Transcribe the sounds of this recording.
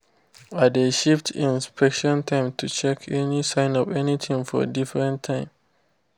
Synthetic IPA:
adeʃiftʰĩnspʰɛkʃɔ̃ntʰãɪ̃mtʰut͡ʃɛkʰɛnisãɪ̃nɔvɛnit̪ʰĩŋfɔ̰difɹɛ̃ntʰãɪ̃m

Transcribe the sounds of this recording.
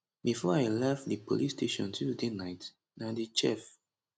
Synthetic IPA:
bifɔajlɛftðipʰolistʰeʃɔ̰̃ntʰuzdenaɪt | naðit͡ʃɛ̰f

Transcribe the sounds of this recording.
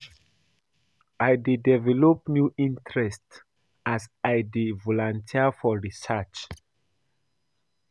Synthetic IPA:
ʔajdidɛvɛlɔp̚njuʔĩntɹɛst | ʔasajdivɔlãntʰiafɔɹisat͡ʃ

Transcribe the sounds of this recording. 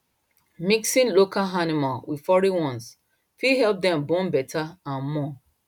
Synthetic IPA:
miksĩnlokalɦanimalwi̥fɔɹiwɔ̃ns | fihɛlp̚dɛ̃mbɔ̃nbɛtʰaãnmɔ

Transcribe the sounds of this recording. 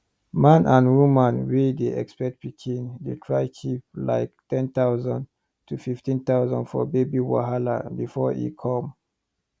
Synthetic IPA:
mãnʔãnwumãnwideɛkspɛk̚t̚b̥itʰĩndetʰɹaɪkʰip̚la̰ɪk̚tɛ̃nt̪awzɔ̃nd | tʰufiftĩnt̪awzɔ̰̃nfɔ̰bebiwa̰ɦala̰bifɔḭkʰɔ̃m

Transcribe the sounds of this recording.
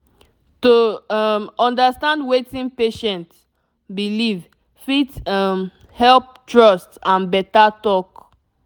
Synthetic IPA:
tomɔ̃ndastãndwetĩnpeʃɛ̃nt | biliv | fitm | hɛlp̚tɹɔstãnbɛtatɔk

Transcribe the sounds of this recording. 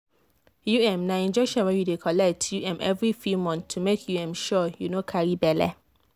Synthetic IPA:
juɛ̃mnãĩnd͡ʒɛkʃɔ̃nwɛ̃judekʰɔlɛk̚tʰjuɛ̃mɛ̰vɹifumɔ̃nθʰːumekʰjuɛ̃mʃɔjunokʰaɹibɛlɛ

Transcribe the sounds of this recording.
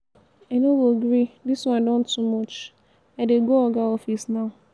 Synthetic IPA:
anowoɡɹidiswɔ̃ndɔ̃ntːumɔt͡ʃ | aɪdeɡoɔɡaɔfisnaʊ

